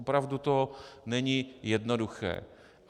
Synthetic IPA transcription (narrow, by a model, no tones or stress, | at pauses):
opɾavdut̪onɛɲijɛdnoduxɛ̰ː